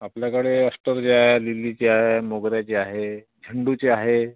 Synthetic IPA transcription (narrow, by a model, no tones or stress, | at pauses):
apljakəɽeəsʈəɾd͡ʑeaɦelilit͡ɕeaɦemoɡɾjat͡ɕeaɦe | d͡ʑʱəɳɖut͡ɕeaɦe